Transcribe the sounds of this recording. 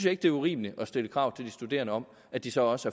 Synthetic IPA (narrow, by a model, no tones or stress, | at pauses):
n̩sjɑe̝ɡ̥d̥e̝ɐuʁḭːmnəʔɒ̽sd̥eləkʰʁɑ̈ʊ̰t͡sʰe̝ld̥isd̥ud̥e̝̰ːɐnəɒ̽m | æd̥isɒ̽ɒ̽səæɐ